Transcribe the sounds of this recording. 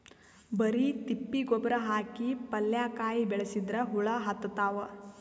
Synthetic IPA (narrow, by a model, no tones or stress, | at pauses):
bɐɾit̪ipːiɡɔbɐɾɐɦaːkipɐljaːkaːjibɛɭɐsid̪ɾɐɦuɭɐɦɐt̪ːɐt̪aːʋɐ